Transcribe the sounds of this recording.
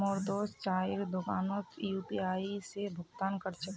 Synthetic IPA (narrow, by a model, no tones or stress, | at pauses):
ɔːɾd̪oːst͡ʃaːiɾd̪ʊkaːnot̪jupiaːisebʱʊɡt̪aːnkəɾt͡ʃʰə